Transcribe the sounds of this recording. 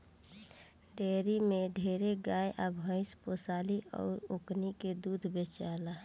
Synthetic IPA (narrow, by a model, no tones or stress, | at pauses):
ɖeːɾimeɖʱeːɾeɡaːjʔəbʱɦə̃ɪspoːsaːliʔɔ̰ːɾokniked̪uːd̪ʱbet͡ʃala